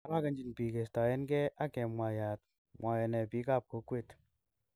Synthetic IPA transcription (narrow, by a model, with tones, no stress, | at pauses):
a˦la˦kɐ˨nd͡ʒi˨npi˨ke˨sta˨jɛ˦nkɛ˦ʔa˦kɛ˨mwa˨ja˨t̚ | mwʔa˨jɔ˨nɛ˨piː˨˦ka˦˨p̚ko˨˦kwe˦˨t